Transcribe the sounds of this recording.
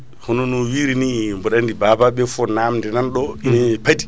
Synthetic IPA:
hɔnonuwiɾinimbɔɗandibabaɓɛfɔnamndɛnanɗɔinepadi̥

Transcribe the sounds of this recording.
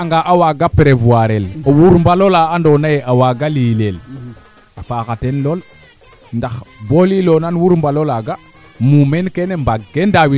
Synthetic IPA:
aŋɡaʔawaɡapeɾevuaɾelowuɾmbalolaandonajeʔawaɡalilel | afakatenlol | ndaxbolilonanwuɾmbalolaɡa | mumenkenembaɡendawi

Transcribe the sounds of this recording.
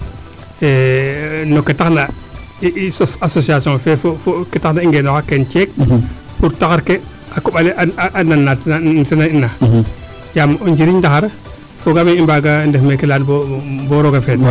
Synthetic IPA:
enoketakna | ssasosiasõfefofoketaknaiŋɡenokakent͡ʃek̚ | puɾtakaɾke | akuɓaleʔaaʔananːatatinainːa | jamund͡ʒiɾiɲdaxaɾe | foɡameimbaɡandefmekelanboboɾoɡafed

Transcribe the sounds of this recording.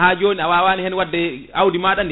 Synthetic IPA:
haːd͡ʒoːniawaːwaːnihɛnwadːɛawdimaːɗand

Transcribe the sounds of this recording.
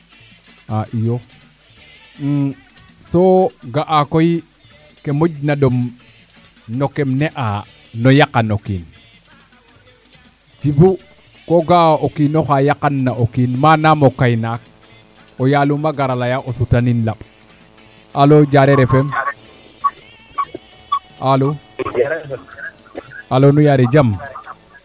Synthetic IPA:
aʔijo | soɡaʔakoji | kemoɟnadom | nokemneʔa | nojakːanokḭn | t͡ʃibu | koɡaokinoxajakanːaʔokinmanamokajnak̚ | ojalumaɡaɾalajaʔosutaninlaɓ | alod͡ʒaɾeɾefem | alo | alonujaɾed͡ʒam

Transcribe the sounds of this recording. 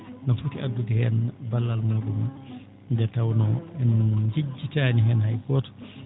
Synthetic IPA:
nafutiʔadːudihɛnbalːalmaɡumi | dɛtawnɔɛnd͡ʒid͡ʒːitaːniɦɛnɦajkɔtɔ̥

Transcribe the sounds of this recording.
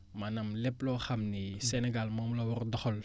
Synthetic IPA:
mɐnɐmleplɔxɐmnisenɛɡalmɔmlɐwɔrdɔxɔl

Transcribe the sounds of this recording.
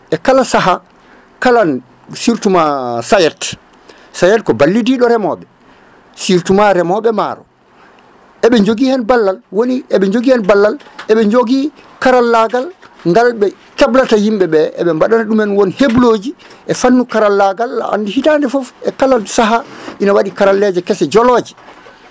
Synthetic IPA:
ʔɛkalasaɦa | kalan | siɾtumasajɛt | sajɛtkɔbalːidiɗɔɾɛmɔɓɛ | siɾtumaɾɛmɔɓɛma̰ɾɔ̰ | ʔɛɓɛɲd͡ʒoɡihɛnbalːalwoniɛɓɛɲd͡ʒoɡihɛnbalːalɛɓɛɲd͡ʒoɡikaɾalːaɡalŋɡalɓɛ | kɛblatahimɓɛɓɛɛ̰ɓɛmbaɗanaɗumɛnwonhebloːd͡ʒiʔɛfanːukaɾalːaɡalːa̰ʔa̰ndihitandɛfɔfɛkalalsaɦaʔinawaɗikaɾalːɛd͡ʒɛkɛsɛd͡ʒɔlɔd͡ʒi̥

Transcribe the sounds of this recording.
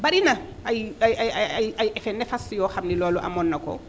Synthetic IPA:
baɗina | ajajajaajajʔɛfɛnɛfasjɔhamnilɔːlɔʔa̰mɔnːakɔ̰

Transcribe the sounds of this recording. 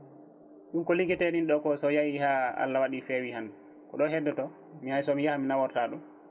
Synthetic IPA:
ɗunkɔliɡɛtɛninɗɔkɔsɔjajihaa̰lːawaɗifɛwihan | kɔɗɔɦɛdːɔtɔ | mihajsɔmijahaminawɔɾtaːɗum

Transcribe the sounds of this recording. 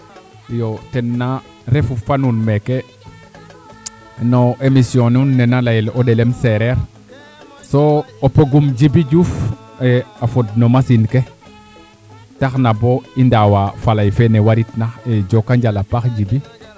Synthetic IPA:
jotenːa | ɾefufanunmeke | noʔemisijonunːenalajilodelemseɾeɾ | soopoɡumɟibiɟuf | eafud̚nomasinke | taxnaboindawafalajfenewaɾitnaxed͡ʒokaɲɟalapaxɟibi

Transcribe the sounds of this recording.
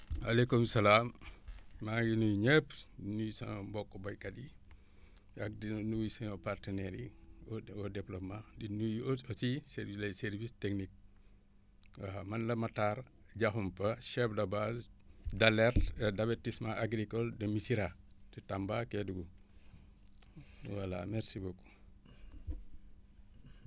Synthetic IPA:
alekumsɐlaːmː | aŋɡinujɲəpdinujsã̰bɔkːobɐjkɐdi | ak̚dinuisɐ̃ɲɔpartənɛɾi | ɔdɛplomãdinujosisɛɾlɐsɛɾvisteknik̚ | amɐnlɐmataɾ | ɟaxumpɐʃɛfdɐbasdalɛɾdabetismaʔaɡɾikɔldɐmisiɾatitambakeduɡu | wala̰mɛɾsiboko̥

